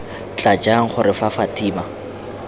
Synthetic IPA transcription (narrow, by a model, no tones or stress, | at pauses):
t͡ɬʼad͡ʒaŋ̩χʊrɪfafatʰʼiːma